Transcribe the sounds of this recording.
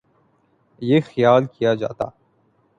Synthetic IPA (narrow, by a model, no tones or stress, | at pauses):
jeːxəjaːlkijad͡ʒa̰ːt̪a̰ː